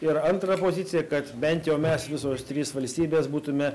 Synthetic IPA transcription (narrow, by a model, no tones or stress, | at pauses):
ɪɾɐnt̪ɾɐpoːzʲɪt̪sʲɪjɛkɐt̪bʲɛnʲt̪jɛʊmʲɛsʋʲɪsoːst̪ʲɾʲiːsʋɐlʲsʲt̪ʲiːbʲeːsbuːt̪ʊmʲɛ